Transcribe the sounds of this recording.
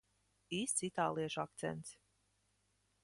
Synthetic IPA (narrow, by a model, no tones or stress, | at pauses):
iːst̪sit̪aːlˠiɛʃak̚t̪sɛ̰nt̪s